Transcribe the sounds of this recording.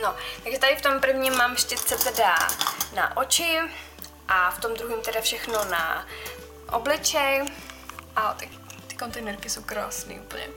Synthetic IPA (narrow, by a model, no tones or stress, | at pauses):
no̞t̪aɡʒɛt̪adɪft̪o̞mpr̩vɲimːaːmʃcɛt͡sɛt̪ɛdana̰ʔo̞t͡ʃɪ | ʔaft̪o̞md̪ɾuɦiːmt̪ɛdafʃɛxno̞na̰ | ʔo̰blɪt͡ʃɛj | ʔat̪ɛkt̪ɪ̥ko̞nt̪ɛjnɛɾkɪsowkɾa̰ːsnḭːuːpl̩ɲɛ̰